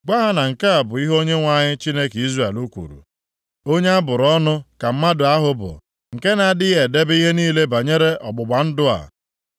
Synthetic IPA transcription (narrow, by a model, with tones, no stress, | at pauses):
ɡ͡ba˦ɦa˦na˨ŋ̩˨ke˦a˨bʊ˨i˦ɦo˦ɲe˦ŋʷa˨ɲɪ˦t͡ʃi˦ne˦ki˦zra˦˨e˨lu˦kʷṵ˨ɾṵ˨ | o˦ɲe˦a˦bʊ˨ɾɔ˦nʊ˦ka˨m̩˦ma˦dʊ˨a˦ɦʊ˦bʊ̰˨ | ŋ̩˨ke˦na˨dɪ˦je˨de˦bi˦ɦe˦niː˦le˦ba˨ɲe˦ɾe˦ɔ˨ɡ͡bʊ˨ɡ͡ba˨n̩˦dʊ˦a̰˨